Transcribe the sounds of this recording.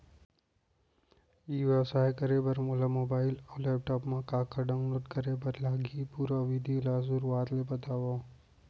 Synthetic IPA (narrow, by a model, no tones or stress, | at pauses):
iːʋasaːkɐɾebɐɾmolamoːbaːɪlɔːleːp̚ʈɔːpmãkaːkɐɖãnoʈkɐɾebɐɾlaːɡʱipuːɾaʋid̪ʱilaːzuːɾʋaːt̪lebɐt̪aːwoː